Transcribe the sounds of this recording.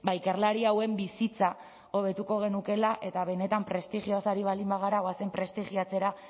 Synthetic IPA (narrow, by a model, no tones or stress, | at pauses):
bajkaɾrlaɾiawe̞mbisit͡sa | o̞β̞e̞t̪uko̞ɣ̞e̞nuke̞laʔe̞t̪aβe̞ne̞t̪ampɾe̞st̪iɣiosaɾiβ̞alimbaɣaɾaoase̞mpɾe̞st̪iɣiat͡se̞ɾa